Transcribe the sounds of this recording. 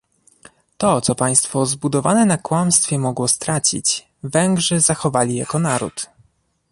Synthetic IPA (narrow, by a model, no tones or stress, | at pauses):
t̪ɔt̪sɔpaj̃st̪fɔzbud̪ɔvanɛnakwamst̪fʲjɛmɔɡwɔst̪ɾat͡ɕḭt͡ɕ | vɛŋɡʐɘzaxɔvalʲija̰kɔnaɾṵt̪